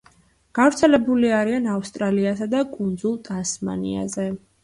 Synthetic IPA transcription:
ɡ̥avɾt̪sʰɛlɛbuliaɾianafst̪ʼɾaliasad̪akʼund̪zulˠt̪ʼasma̰nḭa̰zɛ

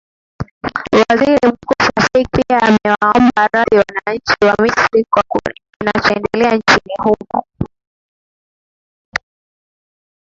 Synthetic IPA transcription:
waziɾim̩kusasaipiaːmɛwaɔmbaɾaðiwanaɲt͡ʃiwamisɾikwakukinat͡ʃɔɛndɛlɛant͡ʃinihumɔ̰

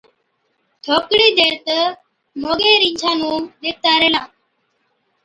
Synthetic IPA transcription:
t̪ʰoːkɽiːd̪eːɾt̪ə | moːɡeːɾĩːd͡ʒʰʱãːnũːɗ̪eːk̚t̪aːɾeːlãː

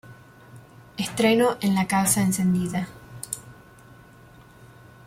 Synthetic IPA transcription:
est̪ɾenoʔenlakawsaense̞nd̪iða

